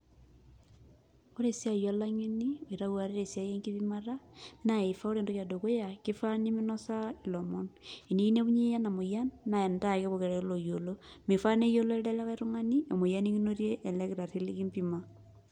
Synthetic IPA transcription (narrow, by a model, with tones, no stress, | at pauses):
o˦ɾe˨sja˦ja˦la˦ŋe˦ni˦oi˨ɾa˦ɣwa˨ɾe˦ɾe˨sja˦je˦ŋki˦βima˦ɾa˦na˨e˨fa˦o˦ɾe˨ndo˦kja˨do˨ko˦ja˨ki˦fa˦ni˦mi˦nɔ˦sa˦i˨lɔmɔni˨ni˦i˦ne˦βu˦ɲe˦ja˦na˨mo˨ja˦nːa˨e˨nda˦ke˦βo˨ke˨ɾlo˨jo˨lomi˨fa˦ne˦jo˦lɔ˦lda˦la˦ka˦ɾu˦ŋa˦ni˦e˨mo˨ja˦ni˦ki˦no˦ɾje˦ʔːlɛ˦ki˨ɾa˨ti˦liki˦mbima˦